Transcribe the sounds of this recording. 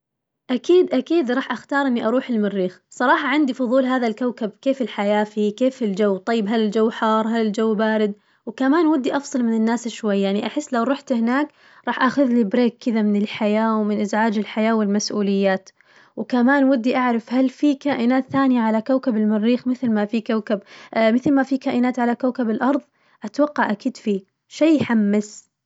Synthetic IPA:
ʔakiːd̪ʔakiːd̪ɾˤɑːħʔaxt̪ɑːɾˤʔɪnːiʔɑɾˤuːħɪlmɪrːiːxsˤɑɾˤɑːħɑʕɪnd̪ifʊðˤuːlɦaːðalkawkab̚keːfɪlħajaːfiːkeːfɪld͡ʒawːt̪ˤɑjːɪbɦalɪld͡ʒawːħɑːɾˤɦalɪld͡ʒawːbaːɾɪd̪̚ | wkamaːnwɪd̪ːiʔɑfsˤɑlmɪnɪnːaːsɪʃwajːaʕniʔaħɪsːlawɾˤuħt̪hɪnaːk | ɾˤɑːħʔaxʊðlibɾeːkkːɪðamɪnɪlħajaːwmɪnʔɪzʕaːd͡ʒɪlħajaːwɪlmasʔuːlɪjːaːt̪ | wkamaːnwad̪ːiʔaʕɾˤɑfhalfikaːʔɪnaːt̪θaːnjaʕalakawkabɪlmɪrːiːxmɪθlmafikawkabmɪθlmafikaːʔɪnaːt̪ʕalakawkabɪlʔɑɾˤðˤ | ʔat̪wɑqːɑʕʔakiːd̪fiː | ʃajːħamːas

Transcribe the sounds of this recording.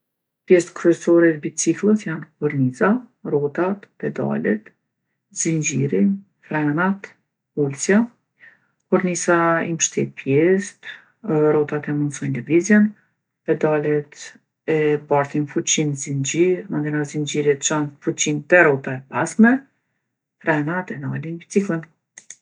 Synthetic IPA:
pjɛst̪kɾyɛsɔɾɛt̪bit͡siklˠəsjanpuɾnizarɔt̪at̪pɛd̪a̰lɛ̰t̪ | zind͡ʒiɾin | fɾɛnat̪ | ulsja | kuɾnisaimʃt̪ɛt̪̚pjɛst̪ | ɾɔt̪at̪ɛmunsɔjnlɛvizjɛn | pɛd̪alɛt̪ | ɛbaɾt̪infut͡ɕinzind͡ʒiɾmand̪ɛnazind͡ʒiɾit̪t͡ʃanfut͡ɕint̪ɛɾɔt̪aɛpasmɛ | fɾɛnat̪ɛnalint͡siklˠin

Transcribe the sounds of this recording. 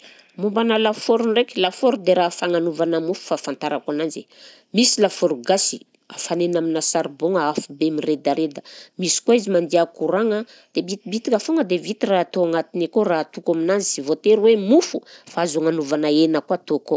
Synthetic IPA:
mumbanəlafoɾunrekilafoɾud̪eɾafaŋanuvanəmufu̥fafant̪aɾakanand͡ʒe | misilafoɾuɡasi̥̰ | a̰fanenaminasaɾboŋəafubemired̪aɾed̪əmisi̥koizimand̪iakuɾaŋə | d̪̥ebit̪bit̪ikʲafoŋəd̪evit̪iraɦt̪oaŋat̪inekoɾaat̪ukaminazisivot̪eɾwemufufaazuaŋanuvanaenəkat̪oko

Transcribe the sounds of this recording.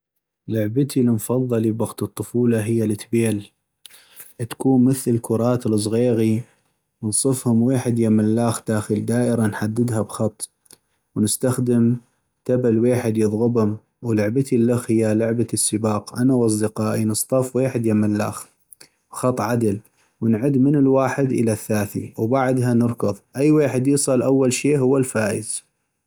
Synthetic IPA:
lʊʕbət̪ʰilmfɑðˤːɑlibaɣt̪ɨt̪ˤːʊfuːlɑɦɪjːalɪt̪beːl | ʔt̪kuːnməθləlkʊɾˤɑːt̪ɪlɨs̬ˤɣeːɣi | nənsˤɨfhʊmweːħɪd̪jamːɪlːaːxd̪̥aːxəld̪aːʔɪɾanħad̪ːɪd̪ɦabxɑt̪ˤː | wnɪst̪axd̪əm | t̪abalweːħɪd̪jɨðˤɣʊbhʊm | wlʊʕbat̪ilːaxhɪjːalʊʕbasːəbɑːqʔanawʔɑs̬ˤd̪ɪqɑːʔinɨst̪ˤɑfweːħɪd̪jamɪlːa̰ːx | bxɑt̪ˤːʕad̪al | wənʕʊd̪mɪnɪlwaːħɪd̪ʔə̰laθːaːθḭwbaʕd̪ɦanɨɾˤkʊðˤʔajːweːħɪd̪jiːsˤɑlʔawːalʃeːʔhʊwːalfaːʔɪz

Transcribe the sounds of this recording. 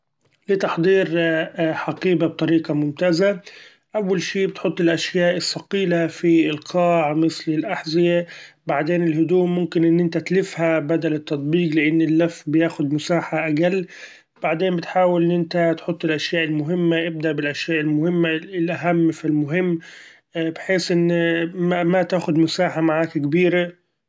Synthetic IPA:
lɪt̪ɑħd̪ˤiːɾħɑqiːbab̚t̪ˤɑɾiːqɑmʊmt̪aːza | ʔawːalʃiːbɪt̪ħʊt̪ˤːɪlʔaʃjaːʔɪsːɑqiːlafiɪlqɑːʕmɪslɪlʔaħzɪjabaʕd̪eːnɪlɦʊd̪uːʔmʊmkɪnʔɪnːʔɪnt̪at̪lɪfhabad̪alɪt̪ːɑt̪ˤbiːqlɪʔɪnːɪlːafbɪjaːxʊd̪mʊsaːħaʔaɡalː | b̥aʕd̪eːnmbɪt̪ħaːwɪlʔɪnːʔɪnt̪at̪ħʊt̪ˤːɪlʔaʃjaːʔɪlmʊɦɪmːaʔɪb̚d̪aʔbɪlʔaʃjaːʔɪlmʊhɪmːaɪlʔaɦamːfilmʊɦɪmː | bħeːsʔɪnː | mat̪aːxʊd̪mʊsaːħamaʕaːkkbiːɾa

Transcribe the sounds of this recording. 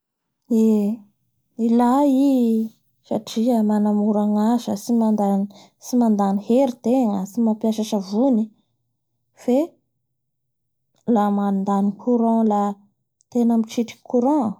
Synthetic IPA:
e | ilai | saʈ͡ʂiəmanamuɾaŋazəsimand̪an | simand̪aniheɾit̪eŋəsimapiaʃaʃavuni | fe | lamand̪anikʰuɾɔ̃la | t̪enəmiʈ͡ʂiʈ͡ʂi̥kʰuɾɔ̃

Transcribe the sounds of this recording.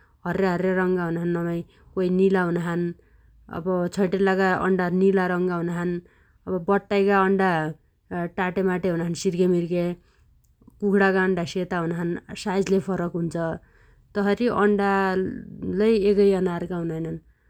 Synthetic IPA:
ɦʌreɦʌreɾʌŋɡaɦunɦanːʌmʌj | koinilaɦunɦan | ʌ̰bʌt͡sʰʌjʈelːakaʌ̰ɳɖanilaɾʌŋɡaɦunɦan | ʌbʌbʌʈ̪ːajkaʌɳɖa | ʈaʈemaʈeɦunaɦansiɾɡemirke | kukʰɽakaʌɳɖaset̪aɦunɦansajd͡zlepʰʌɾʌkɦunt͡sʰʌ | t̪ʌɦʌɾiʔʌ̰ɳɖa | lʌjekʌjʌnarkaɦunʌjnʌn

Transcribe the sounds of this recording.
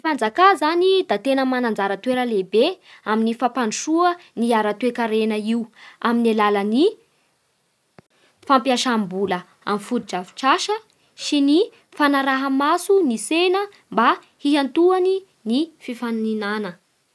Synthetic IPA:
ifand͡zakazanid̪at̪enəmanand͡zaɾət̪weɾəlebeaminifapanuʃuəniaɾat̪wekaɾenəiuaminalaləni | fampiaʃambulə | a̰mifuɾid͡ʒafi̥ʈ͡ʂaʃə | sini | fanaɾaɦamasunisenə | mba | hiɦant̪uani | nififaninanə

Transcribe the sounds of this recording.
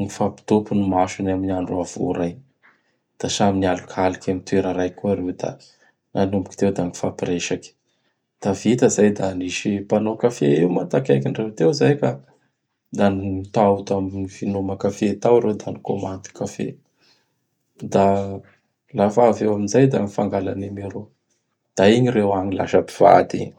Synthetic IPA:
ŋifapi̥t̪opunumaʃunaminiaɳɖ͡ʐuav̥ṵɾaj | d̪̥aʃaminialukalikʰamit̪ueɾəɾajkuaɾewd̪a̰ | anumbu̥ki̥t̪ewd̪anifapreʃakʲi̥ | d̪̥avit̪əzajd̪aniʃipanokafeiwmat̪akʲajkiɳɖ͡ʐewt̪ewzajka | d̪anit̪aut̪aminivinomakafet̪awɾewd̪anikomand̪u̥kafḛ | d̪a | lafaːvewaminzajd̪aŋifaŋɡala̰nemeɾo | d̪̥aiɲirewaɲila̰ʃəpi̥v̥a̰d̪ḭɲ

